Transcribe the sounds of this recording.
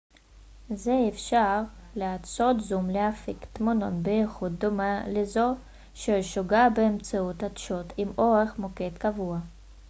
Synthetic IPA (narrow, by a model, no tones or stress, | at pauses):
zeːfʃaʁleat͡sot̪zumleafikt̪mononbeiχud̪̚domalezo | ʃeʃoɡabeːmt͡saut̪ad̪ʃot̪ʰimoʁeχmoket̪kavua